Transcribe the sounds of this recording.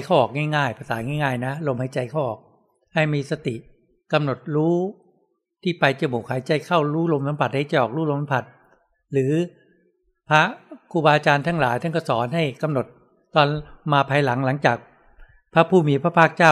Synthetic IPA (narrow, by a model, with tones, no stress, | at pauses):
kʰa˥˩wʔɔː˨˩k̚ŋaː˥˩jŋaː˥˩jpʰa˧saː˩˦ŋaː˥˩jŋaː˥˩jna˦˥lo˧mha˨˩jt͡ɕa˧jkʰa˥˩wʔɔ̰ː˨˩k̚ | ha˥˩jmiː˧sa˧t̪i˨˩ʔ | ka˧mno˨˩t̪̚ɾuː˦˥ | t̪ʰiː˥˩pa˧jt͡ɕa˧˩muː˨˩kʰaː˩˦jt͡ɕa˧jkʰa˥˩wɾuː˦˥lo˧msa˩˦mpʰa˨˩t̪̚ha˥˩jt͡ɕa˧˩ʔɔː˨˩k̚ɾuː˦˥˩lo˧ma˦pʰa˨˩t̪̚ | ɾɯː˨˩˦ | pʰa˦˥kʰuː˧baː˧t͡ɕaː˧nt̪ʰaː˦˥˩ŋlaː˨˦jt̪ʰa˥˩ŋkʰɔ˥˩sɔː˩˦nɦa˥˩jka˧mno˨˩t̪̚ | t̪ɔː˧nmaː˧pʰaː˧jla˩˦ŋla˩˦ŋt͡ɕaː˨˩k̚ | pʰa˦˥pʰuː˥˩miː˧pʰɾa˦˥pʰaː˥˩k̚t͡ɕaː˥˩w